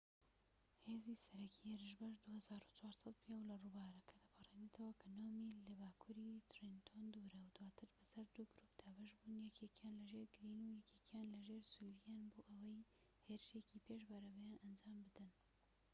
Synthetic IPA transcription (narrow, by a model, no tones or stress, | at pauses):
heːzisɐɾɐkʰiheɾɨʃ̬bɐʃd̪uhɐzaːɾut͡ʃwaːɾsɐt̪̚pʰijɛwlɐrubaːɾɐkʰɐd̪ɐpʰɨrenit̪ʰɐwɐkʰɐnoːmilɐbaːkʰuːɾit̪rent̪ʰond̪uɾɐwd̪waːt̪ʰɨɾbɐsɐɾd̪uɡɨɾuːp̚d̪̥aːbɐʃbuːnjɛkʰekjaːnlɐʒeɾɡɨɾinujɛkʰekjaːnlɐʒeːɾsuɾijaːnboːʔɐwɐj | heɾɨʃecipʰeʃbɐɾɐbɛjanʔɐnd͡ʒaːmbɨd̪ɨn